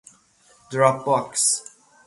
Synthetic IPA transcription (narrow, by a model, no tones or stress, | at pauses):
dɹɔp̚bɔks